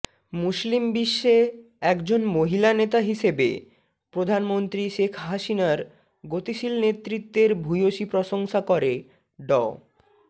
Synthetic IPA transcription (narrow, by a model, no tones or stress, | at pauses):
muslimbiʃːe | ɛkd͡ʑonmoɦilanet̪aɦiʃebḛ | pɾod̪ʱanmont̪ɾiʃekʰɦaʃinaɾ | ɡot̪iʃilnet̪ːɾit̪ːeɾbʱujoʃipɾɔʃoŋʃakoɾe | ɖɔ